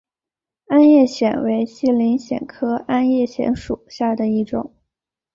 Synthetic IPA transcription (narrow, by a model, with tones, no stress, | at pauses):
a˥njɛ˥˩ɕjɛ̰˨˩nwe˧˥ɪɕi˥˩li˧˥nɕjɛ̰˨˩nkʰɤ˥a˥njɛ˥˩ɕjɛ̰˧˥nʂu˨˩ɕja˥˩d̪ə˩i˥˩ʈ͡ʂʊ̰˨˩˦ŋ